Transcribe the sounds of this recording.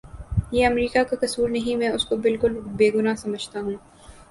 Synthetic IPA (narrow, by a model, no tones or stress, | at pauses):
jeːɐmɾiːkakakɐsuːɾnɐɦĩmɛ̃ːʊskobɪlkʊlbeːɡʊnasɐməd͡ʒʱt̪aɦũː